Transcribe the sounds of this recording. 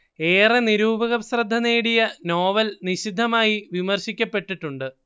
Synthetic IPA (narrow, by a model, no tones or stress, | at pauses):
e̞ːreniɾuːbɐɣɐsrɐd̪ʱːɐne̞ːɽijɐno̞ːʋɐlniɕid̪ʱːɐmaːjiʋimɐrɕikʲːɐpːe̞ʈːiʈːuɳɖɨ